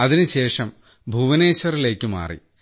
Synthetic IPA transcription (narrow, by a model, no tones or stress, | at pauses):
ɐðinɨɕe̞ːʂɐm | bʱuːʋɐne̞ːɕɐrile̞ːkːɨma̰ːrḭ